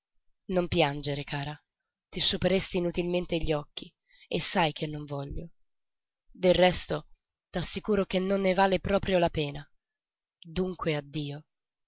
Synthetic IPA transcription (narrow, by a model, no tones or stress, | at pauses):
nompjand͡ʒeɾekaːɾa | t̪isupeɾest̪iːnut̪ilment̪eʎːiɔkːi | esːajk̟ʰenːoɱvɔʎːo | d̪errːɛst̪o | t̪asːikuːɾok̟enːonːevaːlepɾɔːpɾjolapɛːna | d̪uŋkwead̪ːiːo